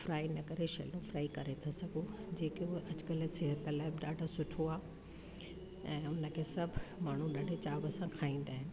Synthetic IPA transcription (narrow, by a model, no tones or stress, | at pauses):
fɾaːinɐkəɾeʃɐ̰lõfɾaːikɐɾet̪ʰasɐɡʱõd͡ʑeːkioʔɐd͡ʑkəlsɪɦət̪əlaːɪbɗaːɖʱosʊʈʰoaː | ɛ̃ːʊnə̆kʰeːsɐbʱmaːɳ̤ũɗaːɖʱet͡ɕaːbɐsãkʰaːĩːn̆d̪aːɦɪnɪ̆